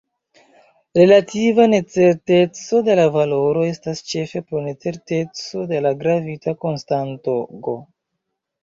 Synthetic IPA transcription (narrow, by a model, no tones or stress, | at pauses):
ɾe̞lativane̞t͡se̞ɾte̞t͡so̞de̞lavalo̞ɾo̞e̞stast͡ʃe̞fe̞pɾone̞t͡se̞ɾte̞t͡so̞de̞laɡɾavitako̞nstantoɡo